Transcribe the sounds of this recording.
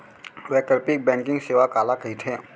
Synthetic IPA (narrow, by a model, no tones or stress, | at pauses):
ʋɛkəɾpik̚bɛ̃ːŋkɪ̃ŋɡseːʋakaːlakəɦit̪ɦɛ̃ː